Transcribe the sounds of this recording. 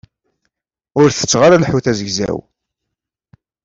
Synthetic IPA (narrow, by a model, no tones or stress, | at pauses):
ʊɾθə̥t͡sːʁaɾalħuθæzəʝzæ̰w